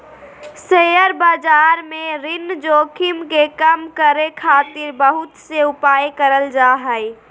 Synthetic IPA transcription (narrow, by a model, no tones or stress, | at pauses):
sejəɾbaːd͡ʒaːɾmẽɾɪnd͡ʒoːkʰɪmkekəmkəɾekʰaːt̪ɪɾbəɦʊt̪seʊpaːjkəɾəld͡ʒaːɦəj